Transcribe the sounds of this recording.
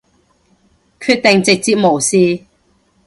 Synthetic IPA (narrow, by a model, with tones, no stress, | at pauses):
kʰyː˧t̚t̪ɪ˨ŋt͡sɪ˨k̚t͡siː˨˥p̚mo˨˩wsiː˧